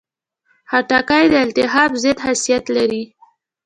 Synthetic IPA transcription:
haʈɑkajd̪əɪlt̪ɪɦɑbzed̪hasijat̪laɾi

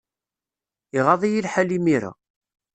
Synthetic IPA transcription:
iʁɑðˤijilħalimiɾa̰

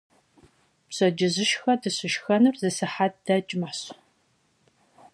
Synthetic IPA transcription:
pɕɐd͡ʒɪzɨʃxɐdɨɕɨʃxɐnɨrzɨsɨħad̚d̥ɐt͡ʃʼmaħɕ

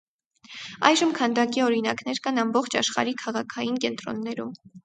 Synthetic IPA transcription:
ɑjʒəmkʰɑnd̪ɑkiɔɾinɑknɛɾkɑnɑmbɔχt͡ʃʰɑʃχɑ̰ɾikʰɑʁɑkʰɑjinkɛnt̪ɾɔ̰nːɛɾṵm

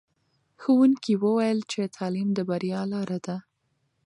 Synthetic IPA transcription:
xəwunkiwəwajəlt͡ʃet̪ʰɑlimd̪əbaɾjɑlɑɾad̪a

